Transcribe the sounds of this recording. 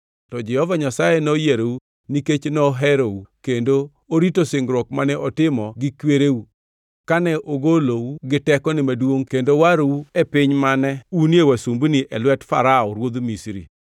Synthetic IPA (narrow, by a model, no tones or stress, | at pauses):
tɔd͡ʒɛhɔvaɲasajɛnojeɾou | niket͡ʃnɔɦɛɾoukendo | oɾitoseŋɡɾwɔkmanɛʔɔtɪmɔɡɪkweɾewu | kanɛʔoɡolowuɡɪtɛkɔnɪmadwoŋkendowaɾowuɛpɪɲmanɛunjewasumbniʔɛlwɛtfa̰ɾaɔɾwod̪misɾḭ